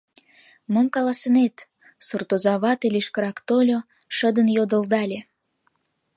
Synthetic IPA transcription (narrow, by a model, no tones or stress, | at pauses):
momkɑlɑsənet̪ | surt̪ozɑβɑt̪elʲeʃkəɾɑkt̪olʲo | ʃəd̪ənjod̪əld̪ɑlʲe